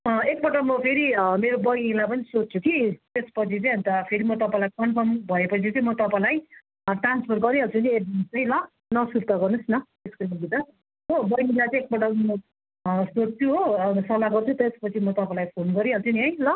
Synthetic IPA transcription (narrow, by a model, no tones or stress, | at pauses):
ek̚bʌʈʌmʌpʰeɾimeɾobʌjilajpʌnisott͡sʰukit̪espʌt͡sʰit͡sʌj̃ɦʌ̃nt̪apʰeɾimʌt̪ʌpãjlajkʌnpʰʌrmbʱʌepʌt͡sʰit͡sʌĩmʌt̪ʌpãj̃laj | ʈranspʰʌrɡʌɾĩɦʌlt͡sʰʌnieʌnt͡sʌj̃lʌ | nʌsuɾt̪ʌɡʌrnusnʌ | eskomʌɡit̪ʌ | ɦobʌjilat͡sʌ̃ek̚bʌʈʌʌ | sot̚t͡sʰuɦosʌlaɡʌrt͡sʰut̪espʌt͡sʰimʌt̪ʌpãlajpʰonɡʌɾĩɦʌlt͡sʰʌniɦʌjlʌ